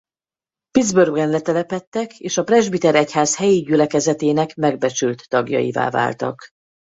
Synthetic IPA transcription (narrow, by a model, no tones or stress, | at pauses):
pid̪zbørɡɛnlɛt̪ɛlɛpɛt̪ːɛkeːʃɒprɛʒbit̪ɛɾɛchaːshɛjiɟylɛkɛzɛt̪eːnɛkmɛɡ̚bɛt͡ʃylt̪ːɒɡjɒ̰jḭva̰ːva̰ːlt̪ɒ̰k